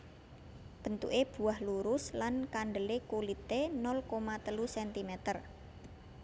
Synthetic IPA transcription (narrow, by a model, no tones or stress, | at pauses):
b̥ə̤nt̪ṵʔeb̥ṳahluɾʊslankaɳɖəlekulit̪enɔlkomat̪əlusɛnt̪imɛt̪ər